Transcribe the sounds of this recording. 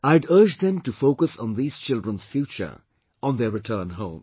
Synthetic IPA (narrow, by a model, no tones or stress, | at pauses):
aɪɖəːd͡ʒd̪ɛ̃mʈufoʊkəsɔ̃nðiːz̥t͡ʃɪldɹə̃nz̥fjuːt͡ʃə̰˞ | ʔɔ̃nðɛɾɪʈʰəːnɦõʊ̃m